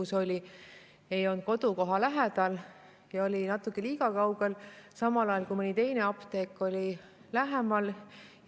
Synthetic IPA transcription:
uso̞lʲi | e̞jo̞nt̪̚ko̞d̪uko̞ɦɑlæɦed̪ɑl | jɑo̞lʲinɑt̪ːˑukːˑe̞liːkɑkɑwɡ̥e̞lsɑmɑlɑjɑlkuimɤnʲit̪e̞jne̞ɑpt̪e̞ːkːˑo̞lʲi | læɦemɑl

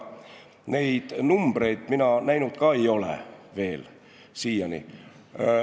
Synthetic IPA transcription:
ne̞jd̪̥numb̥re̞jd̪̥minɑnæjnud̪̥kɑːe̞jo̞lḛve̞ːl | siːjɑnḭ

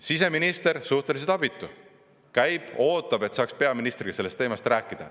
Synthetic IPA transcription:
sise̞minist̪e̞ɾsuht̪e̞lis̬et̪ɑb̥it̪ˑːu | kæjb̥o̞ːt̪ːˑɑb̥e̞t̪sɑːkspe̞ɑminist̪riɡ̥ise̞lːest̪ːeːmɑst̪ræːkːˑid̪̥ɑ̰

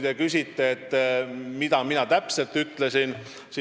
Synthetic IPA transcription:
d̪ekysʲit̪ːeet̪ːmid̪ɑminɑt̪æpse̞lt̪yt̪ːˑle̞sin | si

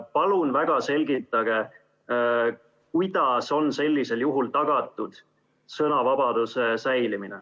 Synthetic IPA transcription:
pɑlunvæɡ̥ɑse̞lʲɡit̪ːˑɑɡ̥e̞ | kujd̪̥ɑso̞nse̞lʲːise̞ljuɦult̪ɑɡ̥ɑt̪ːˑud̪̥ | sɤnɑvɑbɑd̪̥use̞sæjliminḛ

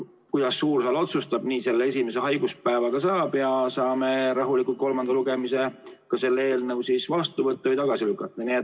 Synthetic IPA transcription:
kujd̪̥ɑsːuːrsɑlo̞t̪sust̪ɑb̥niːse̞lːee̞sʲimese̞ɦɑjɡ̥uspæevɑɡ̥ɑsɑːb̥jɑsɑːme̞ɾɑɦulikˑult̪̚ko̞lmɑnd̪ɑluɡ̥e̞mise̞kɑse̞lːee̞ːlnɤwsisvɑst̪uvɤt̪ːɑvɨjt̪ɑɡ̥ɑsilykːˑɑt̪ːˑɑniet̪

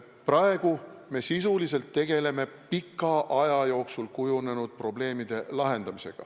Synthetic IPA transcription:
prɑe̞ɡ̥ume̞sisulise̞lt̪ːe̞ɡ̥e̞le̞me̞pikːˑɑʔɑjɑjo̞ːksulkujune̞nud̪̥̚pro̞ble̞ːmid̪̥e̞lɑɦe̞nd̪̥ɑmise̞̰ɡ̥ɑ̰

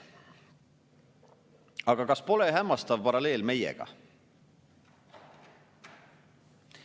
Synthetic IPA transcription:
ɑɡɑkɑspo̞leɦæmːɑst̪ɑvpɑɾɑle̞ːlme̞jḛɡ̥ɑ̰

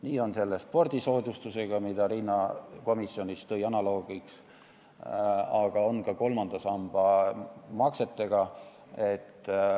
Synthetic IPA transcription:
niːo̞nse̞lːespo̞rd̪̥iso̞ːd̪ust̪use̞ɡ̥ɑmid̪ɑɾinːɑko̞misːjo̞nʲist̪ɤ̞jɑnɑlo̞ːɡ̥iks | ɑɡ̥ɑo̞nkɑko̞lmɑnd̪̥ɑsɑmb̥ɑmɑkse̞t̪ːe̞ɡ̥ɑ | e̞t̪ː

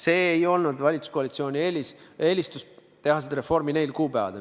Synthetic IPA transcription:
se̞ːjo̞lnud̪vɑlʲit̪su̥skoɑlit̪sio̞ːnʲielise̞ːlʲist̪us | t̪e̞hɑsed̪ɾefo̞rmine̞jlkuːpævɑ̰d̪̥e

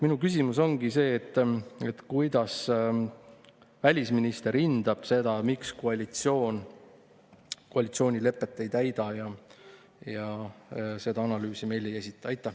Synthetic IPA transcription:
minukys̬ʲimus̬o̞ŋɡ̥ise̞ːt̪ˑːe̞t̪kujd̪̥ɑs | vælʲisminist̪e̞ɾind̪ɑb̥se̞d̪̥ɑmikskoɑlʲit̪sio̞ːn | koɑlʲit̪sio̞ːnʲile̞pːˑe̞t̪ːe̞jt̪æjd̪̥ɑjɑ | jɑ | se̞d̪̥ɑɑnɑlyːsime̞jle̞je̞s̬ʲit̪ːˑɑɑjt̪ˑːe

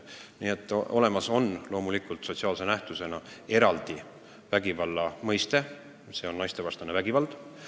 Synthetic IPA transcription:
niːet̪ˑːo̞le̞mɑso̞nlo̞ːmulikˑult̪so̞t̪ʲsiɑːlse̞næht̪use̞nɑe̞ɾɑld̪̥i | væɡ̥ivɑlːɑmɤjst̪e̞ | se̞o̞nnːɑjst̪e̞vɑst̪ɑnevæɡ̥ivɑld̪̥

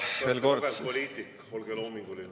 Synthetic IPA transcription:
ʋeːlko̞ɾdpolʲiːt̪ːikː | olɡeloːmiŋɡ̥uli

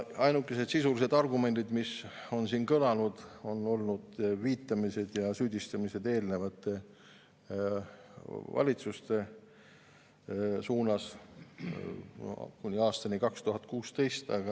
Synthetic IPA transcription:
ɑjnukːˑese̞d̪̥sisulise̞d̪̥ɑrɡume̞nd̪̥id̪miso̞nsiːnkɤlɑnud̪̥o̞no̞lnud̪̥viːt̪ːˑɑmise̞d̪̥jɑsyːd̪̥ist̪ɑmise̞d̪e̞ːlne̞vɑt̪ːˑe | vɑ̰lʲit̪sust̪e̞ | suːnɑs | kunʲiɑːst̪ɑnikɑkst̪uɦɑt̪̚ːˑkuːst̪e̞jst̪ɑɡ̥ɑ

